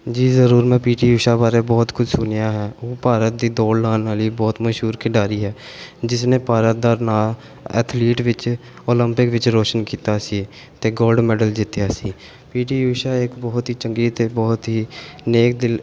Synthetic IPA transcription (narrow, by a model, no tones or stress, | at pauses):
d͡ʒiːzəɾuːɾmɛ̃ːpiːʈiːjuːʃaːbaːɾeːbɔːt̪kʰʊd͡ʒsʊnjaːɦɛːoːpaːɾət̪̚d̪iːd̪oːɽlaːnaːliːbɔːt̪məʃɦuːɾkʰɪɖaːɾiːɦɛː | d͡ʒɪsneːpaːɾət̪̚d̪aːnaː | ɛ̰ːt̪ʰliːʈʋɪt͡ʃ | oːləmpɪkʋɪt͡ʃɾoːʃənkiːt̪aːsi | t̪eːɡoːlɖmɛːɖəld͡ʒɪt̪jaːsiː | piːʈiːjuːʃaːɪkbɔːt̪ɦiːt͡ʃəŋɡiːt̪eːbɔːt̪ɦiːneːk̚d̪ɪl